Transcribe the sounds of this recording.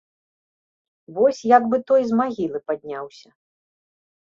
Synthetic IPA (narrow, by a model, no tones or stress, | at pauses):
vɔsʲjaɡbɨt̪ɔjzmaɣʲilˠɨpad̪ʲnʲawsʲɐ